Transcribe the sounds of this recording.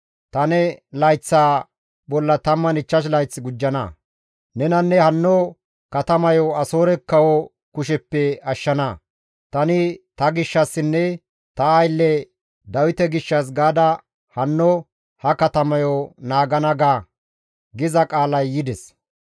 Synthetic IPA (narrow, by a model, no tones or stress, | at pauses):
t̪ɐnɛlɐjt͡sːaː | bɔlːɐt̪ɐmːɐnɪt͡ʃːɐʃ̬lɐjt͡sːɪɡʊd͡ʒːɐnɐ̰ | nɛnɐnːɛhɐnːɔ | kɐt̪ɐmɐjɔɐso̞ːɾɛkːɐwɔ | kʊʃɛpːɛɐʃːɐnɐ | t̪ɐnɪt̪ɐɡɪʃːɐsːɪnːɛ | t̪ɐɐjlːɛ | d̪ɐwɪt̪ɛɡɪʃːɐs̬ɡaːd̪ɐ | hɐnːɔ | hɐkɐt̪ɐmɐjonaːɡɐnɐɡaː | ɡɪzɐkʼaːlɐjːɪd̪ɛs